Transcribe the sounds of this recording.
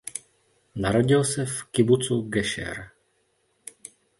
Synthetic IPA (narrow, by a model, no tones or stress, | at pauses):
naɾo̞ɟɪlsɛfkɪbut͡suɡɛʃɛ̰ɾ